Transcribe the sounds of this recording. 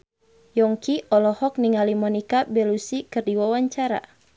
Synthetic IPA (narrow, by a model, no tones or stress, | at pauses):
jɔŋkiɔlɔhɔk̚niŋalimɔnikabɛlusikɨrdiwawaɲt͡ʃaɾa̰